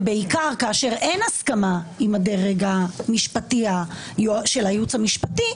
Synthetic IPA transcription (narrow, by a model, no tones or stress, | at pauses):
beikaʁkaːʃe̞ʁe̞nhaskamaimade̞ʁeɡamiʃpatia | joʃelajut͡shamiʃpati